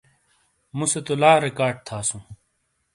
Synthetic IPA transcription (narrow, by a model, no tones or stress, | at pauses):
muset̪olaːɾekaːɾɖ̚t̪ʰaːsũː